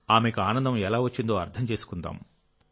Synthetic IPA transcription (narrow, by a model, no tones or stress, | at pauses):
aːmekuaːnɐnd̪ɐmɛlaːʋɐt͡ʃːind̪o̞ːɐɾt̪ʰɐmt͡ʃeːsu̥kund̪a̰ːm